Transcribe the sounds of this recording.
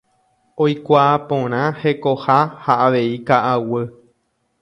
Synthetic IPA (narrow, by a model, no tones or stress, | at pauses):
ojkʷaːpõɾ̃ãhe̞kohahaʔaʋe̞ikaʔawɨ